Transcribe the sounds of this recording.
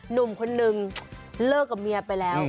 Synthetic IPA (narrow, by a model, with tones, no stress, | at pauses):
nu˨˩mkʰo˧nːɯ˨ŋlɤː˥˩k̚ːa˨˩mi˧ɐ˧pa˧jlɛː˦˥w